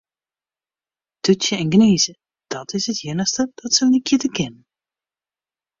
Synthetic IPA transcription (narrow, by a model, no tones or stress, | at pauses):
d̥øtjəɛnɡneːzə | d̥ɔtɪsɦətjɪnəxstəd̥ɔtsəlnikʰjɪtəkɪnən